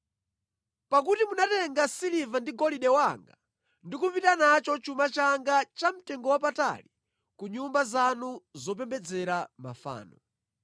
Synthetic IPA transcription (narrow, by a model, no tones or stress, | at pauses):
pak̬utimunatɛŋɡasilivandiɡɔliɗɛwaŋɡa | ndikupitanat͡ʃɔt͡ʃumat͡ʃaŋɡat͡ʃam̩tɛŋɡɔwapata̰li | kuɲumbazanuzɔp̬ɛmbɛd͡zɛɾama̰fa̰ːnɔ̰